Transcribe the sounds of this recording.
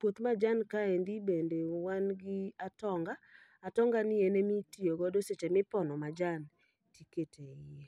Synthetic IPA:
pwot̪mad͡ʒankaend̪ibendewanɡɪatɔŋɡaː | tɔŋɡanɪenemitioɡɔdoset͡ʃɛmɪpɔnɔmad͡ʒan | tiketʰeɪe

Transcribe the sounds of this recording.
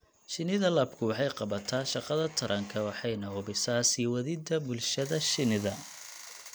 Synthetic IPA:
ʃɪnɪðɐlɐbkʰʊwɑħɑjqɑβɐt̪ʰaːʃɑqɐðɐt̪ʰɐɾʔɐŋkʰɐwɑħɑjnɐʊbɪsaːsiwɐðɪd̪ɐbʊlʃɐðɐʃɪnɪðɐ

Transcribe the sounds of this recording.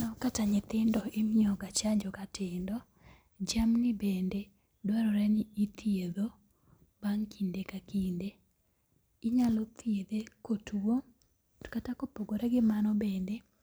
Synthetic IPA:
nɔkataɲɪt̪ɪndɔɪmiɔɡat͡ʃaɲd͡ʒɔkatɪndɔ | d͡ʒamnɪbende | dwaɾɔɾɛnɪit̪ieðo | baŋkindekakinde | ɪɲalɔt̪ied̪ekotʰuwo | katakopoɡoɾɛɡɪmanɔbende

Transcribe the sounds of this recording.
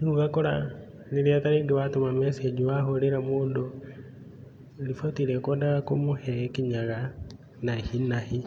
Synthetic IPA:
nuɣakɔɾa | niɾiataɾeɡiwatomamɛsɛd͡ʒuwaɦoɾɛɾamoːndo | lifɔtiɾɛkɔdaɣakomohɛkiɲaɣa | nahinahi

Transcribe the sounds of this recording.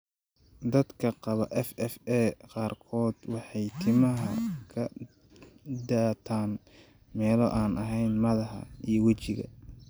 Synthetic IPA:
d̪ɐd̪kʰɐqɑβɐʔɛfɛfɛːqɑːrkʰɔːd̪wɑħɑjt̪ʰɪmɐɦɐ̰kʰɐ | d̪aːt̪ʰaːn | mɛːlɔʔaːnʔɐɦɛjnmɐðɐhɐ̰ijɞwɐt͡ʃɪɣɐ̰

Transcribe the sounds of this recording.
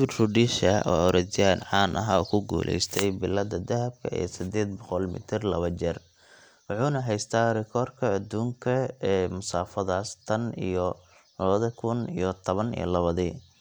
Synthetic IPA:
bɪd̪rʊɖiːʃɐɔ̰ːɔɾɛd͡ʒɪjanʕɑːnʔɐ̰ɦaːkʰʊɡṵːlʔɛ̰jst̪ʰɛjbɪlɐd̪ɐd̪ɐɦɐb̚kʰɐḭːsɪd̪ɛːd̪̚bɔqɔlmɪ̰t̪ʰɪrlɐβɐd͡ʒɛr | wɑħuːnɐɦɛjst̪ʰaːɾɪkʰɔːrkʰɐːd̪uːŋkʰɐɛːmʊsaːfɐðaːst̪ʰɐnḭjɔ | lɐβɐðɐkʰʊnijɔt̪ʰɔβɐnḭjɔ̰lɐβɐðiː

